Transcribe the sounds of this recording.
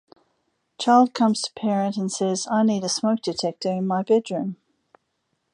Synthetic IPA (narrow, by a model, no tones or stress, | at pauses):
t͡ʃʰaɪlˠd̚kʰʌ̃mz̥tʰə̥pʰɛɹə̃ntə̃nsɛzaɪniɾəsməʊk̚d̥ɨtʰɛk̚təvɪ̃nmaɪbɛdɹʉ̃m